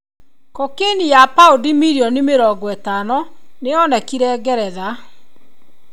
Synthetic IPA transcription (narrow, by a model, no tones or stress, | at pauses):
kɔkenijapaodimiɾiɔnimeɾɔɡɔɛtanɔneɔnɛkiɾɛɡɛɾɛða